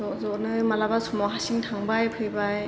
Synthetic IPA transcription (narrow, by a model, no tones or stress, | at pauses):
ɔzɔnɯmalabasʰɔmɔɦasiŋtʰaŋbajpʰɯjbaj